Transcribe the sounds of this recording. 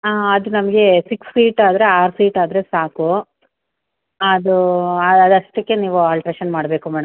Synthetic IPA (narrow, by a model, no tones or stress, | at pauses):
aːɐd̪unɐmɐɡe̞siksːiːʈaːd̪ɐɾe̞aːɾsiːʈaːd̪ɐɾe̞saːku | ɐd̪uɐɐd̪ɐʂʈɐkːe̞niːʋuaːlʈɐɾeʃɐnmaːɽbeːkumɛːɽɐm